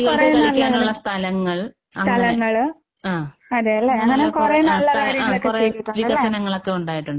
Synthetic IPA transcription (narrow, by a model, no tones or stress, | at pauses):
kurɐjuniɐlkʲːaɐuɐɭːɐst̪ʰɐlɐŋːɐɭ | sɐt̪ʰɐlɐŋːɐɭ | aː | ɐðejɐlːeeŋːɐnekurejunːɐlːɐkaːɽjɐŋɐɭokːert͡ɕejiʈːuɳʋiɐɣɐsɐnɐŋːɐɭokːe̞uɳɖaːjiʈːuɳɖɨ